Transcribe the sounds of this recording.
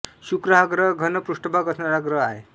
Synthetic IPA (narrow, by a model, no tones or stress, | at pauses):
ɕukɾəɦaɡɾəɡʱənəpɾuʂʈəbʱaɡəsnaɾaɡɾəɦaɦḛ